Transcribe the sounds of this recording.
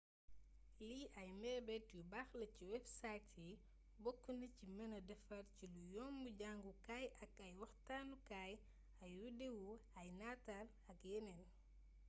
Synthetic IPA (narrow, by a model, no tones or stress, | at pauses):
liʔɐjmɛbɛtjubaːxlɐciwɛfsatʰi | bɔkːunɐcimɐnɐdɛfɐrcilujɔːmbuɟaŋɡukajɐkɐjwɐxtaːnukaːj | ɐjwudewuɐjnaːtal | ɐkjɛnɛn